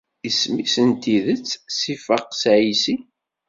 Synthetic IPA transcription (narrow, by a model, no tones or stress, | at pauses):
ismisənt̪iðət͡sːsifəqsʕisi